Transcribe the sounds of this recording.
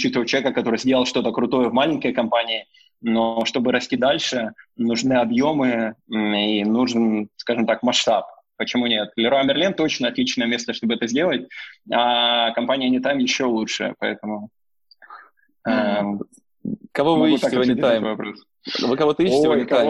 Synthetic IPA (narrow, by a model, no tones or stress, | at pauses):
ʊt͡ɕit̪ɨvət͡ɕːvʲkəkɐt̪o̞ɾɨjzʲdʲelˠʂt̪o̞t̪əkɾʊt̪o̞jəvmalʲɪnʲkəjkɐmpanʲɪɪ | no̞ʂt̪o̞bɨɾɐsʲtʲid̪alʲʂɨnʊʐnɨɐbjo̞mɨ | inuʐɨnskaʐɨmt̪akmɐʂt̪ap̚ | pət͡ɕɪmunʲe̞t̪̚lʲɪɾoamʲɪrlʲint̪o̞t͡ɕnəɐt̪lʲit͡ɕnəjəmʲe̞st̪əʂt̪o̞bɨɛt̪əzʲdʲe̞lˠət̚ʲakɐmpanʲɪjənʲɪt̪amjɪɕːo̞lˠutʂɨ̰ə̰pɐɛ̰t̪əmʊ | a | kɐvovt̪akonʲɪaovɐpɾos | vɨkɐvot̪əiɪvoɪtk̪a